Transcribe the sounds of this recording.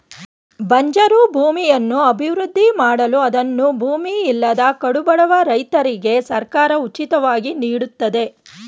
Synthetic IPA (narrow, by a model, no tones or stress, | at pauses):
bʱɐɲd͡ʒɐɾubʱuːmijɐnːuɐbʱiʋɾud̪ʱːimaːɽɐluɐd̪ɐnːubʱuːmiːlːɐd̪ɐkɐɽubɐɽɐʋɐɾɐjt̪ɐɾiɡe̞sɐɾkaːɾɐut͡ʃit̪ɐʋaːɡiniːɽut̪ːɐd̪e̞